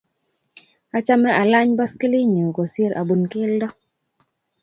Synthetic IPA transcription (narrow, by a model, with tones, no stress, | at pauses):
a˨t͡ʃa˦mɛ˦ʔa˨la˦ɲba˦ski˦li˦ɲu˨ko˨sje˦ɾʔa̰˨bu˨nkɪ˦ldɔ˦